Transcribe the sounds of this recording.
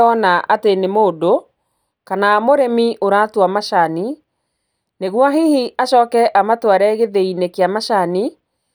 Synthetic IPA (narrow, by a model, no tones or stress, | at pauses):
ɔnaʔatenemoːdo | kanaːmoɾemiʔoɾatwamaʃani | neɣwaɦihiʔaʃɔːkɛʔamatwaɾɛɣeðeinekeamaʃani